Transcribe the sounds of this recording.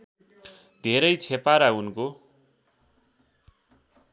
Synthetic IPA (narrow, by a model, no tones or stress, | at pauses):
d̪ʱeɾʌjt͡sʰepaɾaunko